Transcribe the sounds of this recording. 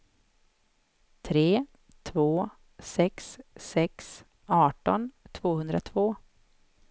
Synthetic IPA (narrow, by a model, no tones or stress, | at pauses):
t̪ʰɾeː | t̪ʰvoː | sɛksːɛks | ɑːʈɔnt̪ʰvoːhɵnd̪ɾat̪ʰvoː